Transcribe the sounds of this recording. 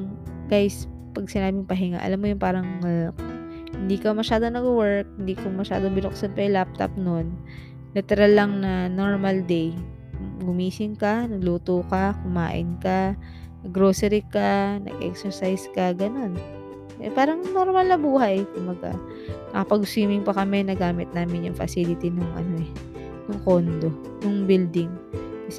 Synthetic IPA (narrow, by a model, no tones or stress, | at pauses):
ŋɡ̥ajs | pɐɡ̚sɪnaːbɪŋpɐɦɪŋa̰ʔɐ̰lamːojʊnpaːɾɐŋk | hɪnd̪ikɐmɐʃaːd̪onɐɡwɛɹk̚hɪnd̪iːkomɐʃa̰ːd̪o̞bɪnok̚sɐnpɐjlap̚t̪o̰p̚nonː | ɐt̪ɪɾalːɐŋnɐno̞ɹmɐld̪ɛj | ɡʊmiːsɪŋkɐnɐɡluːt̪oːkɐkʊma̰ːʔɪ̰nka | nɐɡɾoːsɛɾɪkanɐ̰ɡʔɛ̰ksɛɹsajskɐɡɐno̞n | ʔɛ̰paːɾɐŋno̞ɾmɐlnɐbuːhɐjk̪ʊmbɐɡa̰ | nɐkɐpɐɡ̚swiːmɪŋpɐkɐmɛnɐɡaːmɪt̪̚naːmɪnjʊŋfɐ̰silɪt̪inʊŋʔɐ̰no̞ɛ | nʊŋkond̪o̞ | nʊŋbild̪ɪŋkɐs